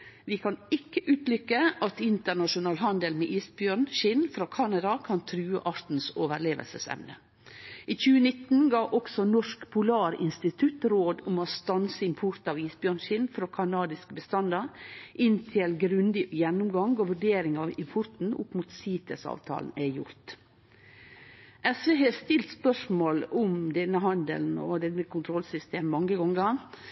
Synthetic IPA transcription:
ʋɪkʰɑnɪkːəʔʉːt̪lʏkːəʔɑt̪ɪnt̪əɳɑʂʊnɑːlɦɑnd̪əlmeːʔiːsbjønʃɪnfɾoːkʰɑnɑd̪ɑkʰɑnt̪ʰɾʉːə̰ʔɑɾt̪n̩soːʋəɾleːʋə̰lsəsɛ̰mnə̰ | ʔiːçʉːənɪt̪n̩ɡɑːʔɔksɔnɔʂkpʰʊlɑːɾɪ̰nst̪ɪt̪ʰʉt̪ɾoːd̪ʊmoːst̪ɑnsəɪmpʰʊɾt̪ɑːʋiːsbjøːɳʃɪnfɾoːkʰɑnɑːd̪ɪskəbəst̪ɑnd̪ɑɾʔɪnt̪ʰɪlɡɾʉnd̪ɪjɛnʊmɡɑŋɡoʋʉɖeːɾɪŋɑɪmpʰʊɾt̪n̩ʊ̰pːmuːt̪siːt̪ʰəsɑ̰ːʋt̪ʰɑ̰ːln̩æjʊɾt̪ | ʔɛsʋeːɦest̪ɪlt̪spœʂmoːlʊmd̪ɛnːəɦɑnd̪ə̰ln̩ɔ̰d̪ɛnːəkʰʊnt̪ʰɾɔlsʏst̪eːmmɑŋːəɡɔŋɡə

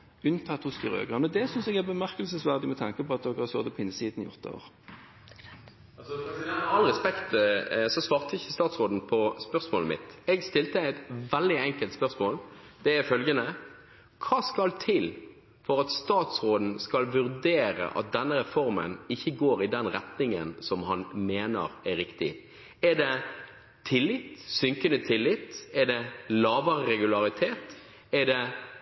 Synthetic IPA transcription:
ʉnt̪ʰɑt̪ːhʊskɪʁø̰ːɡʁɑnɔd̪ɛsʏnsɛɡæʁbəmæʁkəlsəsʋæʁd̪ɪmɛt̪ʰɑŋkəpʰɔɑt̪̚d̪ɔɡhɑʁso̰ːd̪əpʰɔɪnsiːd̪nɪɔʁt̪ːəo̰ːʁ | ɑnʁɛspɛkt̪sɔsʋɑːʁt̪əɪçəst̪ɑːt̪sʁoːd̪n̩pʰɔspœʁsmoːləmɪ̰t̪ɛɡst̪ɪlt̪əæɪt̪ʋɛld̪ɪɛŋkəlt̪spœʁsmoːld̪̥ɛæfœlɡənə | kʰɑːskɑlt̪ʰɪl | fɔɾɑt̪st̪ɑːt̪sʁoːd̪n̩skɑlʋʉɾd̪eːɾə̰ʔɑ̰t̪̚d̪ɛnːəɾɛfɔɾmə̰nɪçːəɡoːɾɪd̪ɛnɾɛt̪nɪŋə̰nsɔmhɑnmeːnə̰ɾæɾɪkt̪ɪ̰ | æd̪ɛ | t̪ʰɪlːɪt̪sʏŋkənət̪ʰɪlːɪt̪ɛɖ̪ɛlɑːʋəɾəɾɛɡʉlɑʁɪt̪ʰeːt̪ | æɖ̪ɛ

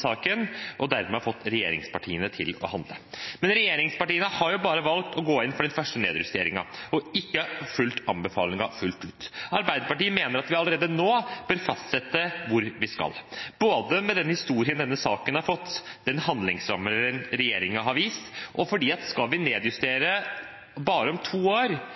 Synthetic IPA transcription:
sɑːkənʔɔd̪æɾmɛɑfɔt̪ːɾɛjeːɾɪ̰ŋspɑʈʰḭːənət̪ʰɪlɔ̰hɑnd̪ləmɛnɾɛjeːɾɪŋspɑʈiːənəhɑɾjʊbɑːɾəʋɑlk̚t̪ɔɡoːɪnfɔɖɛnfœʂʈənḛːd̪jʉst̪eːɾɪŋɑ̰ɔɪkːəfʉlt̪ɑmbəfɑːlɪŋɑfʉlt̪ʉːt̪ɑɾbæɪd̪əpɑʈiːəmeːnəɾɑt̪ʋɪɑləɾeːd̪ənoːb̥øːɾfɑst̪sɛt̪ːəʋʊɾʋɪskɑ̰lb̥oːd̪əmɛd̪ɛnhɪst̪uːɾɪənd̪ɛnːəsɑːkənhɑɾfɔt̪ːd̪̥ɛnhɑnd̪lɪŋsɾɑmːəɛnɾɛjeːɾɪŋəɦɑɾʋiːst̪ʔɔfɔɖiːɑt̪skɑlʋɪneːd̪jʉst̪eːɾə | bɑːɾəɔmt̪ʰuːoːɾ

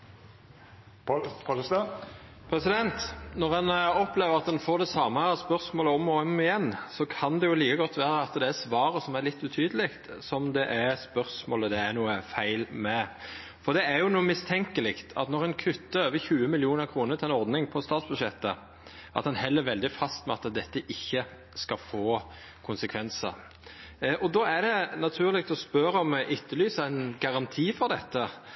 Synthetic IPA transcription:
pʰɾɛsɪd̪ɛnt̪nɔʁɛnɔpleːʋəʁɑt̪d̪ɛnfoːʁd̪ɛsɑːməspœʁsmoːləɔmːɔɔmɪjɛnːsɔkʰɑnd̪ɛjʊliːkəɡɔt̪ʰːʋæːɾəɑt̪d̪ɛæsʋɑːɾəsɔmæʁlɪt̪ːʉt̪ʰyːd̪əlɪkt̪sɔmd̪ɛʔæspœʁsmoːləd̪ɛænuːəfæɪlmɛ | fɔɾd̪ɛæɾjʊnuːəmɪst̪ʰɛŋkəlɪkt̪ʰɑ̰t̪nɔʁɛnkʰʏt̪ːəøːʋəçʉːəmɪljuːnəʁkʰɾuːnət̪ʰɪlɛnɔɾd̪nɪŋpʰɔst̪ɑːt̪sbʉʂɛt̪ːə | ʔɑ̰t̪ɛnhɛlːəɾʋɛld̪ɪfɑst̪mɛɑt̪d̪ɛt̪ːəʔɪçːə | skɑfoː | kʰʊnsəkʰʋɛnsə̰ɾ | ʔɔd̪oːæɾd̪ɛnɑt̪ʰʉːʁlɪk̚t̪ɔspœɾəɔmʔʏt̪ːəlyːsəæɪnɡɑʁɑnt̪ʰiːfɔʁd̪ɛt̪ːə

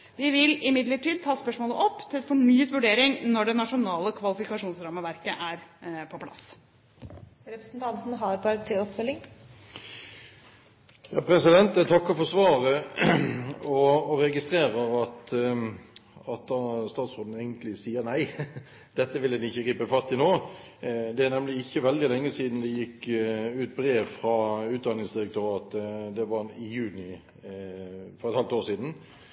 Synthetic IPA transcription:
ʋɪʋɪlɪmɪd̪ləʈiːd̪̚t̪ʰɑːspœʂmoːləʔɔpːt̪ʰɪlɛt̪fɔɳyːət̪ʋʉɖeːɾɪŋnɔɖɛnɑʂʊnɑːləkʰʋɑlɪfɪkɑʂuːnsɾɑːməʋæɾkəʔæɾpʰɔpʰlɑ̰s | ɾɛpɾəsnt̪ʰɑnt̪nɦɑɾɡɑɾt̪ʰːɪɔpfœlːɪŋ | jɑːpɾɛsɪd̪ɛnt̪t̪ʰɑkːɔfɔsʋɑːʁə | ɔɔʁɛɡɪst̪ɾʁeːɾəɾɑt̪ | ɑt̪̚d̪ɑːst̪ɑːt̪sʁoːd̪n̩eɪɡənt̪lɪsiːəɾnæɪ | d̪̥ɛt̪ːəʋɪlɛd̪ɪçːəɡɾiːpəfɑt̪ːɪnoː | d̪ɛænɛmlɪɪçːəʋɛld̪ɪlɛŋːəsiːd̪nd̪ɛjɪkːʉːt̪̚bɾeːʋfʁɑʉːt̪̚d̪ɑnɪŋsd̪ɪɾɛk̚t̪ʰœʁɑːt̪əd̪ɛʋɑɪjʉːnɪ | fɔʁɛt̪hɑlt̪oːsiːd̪n̩

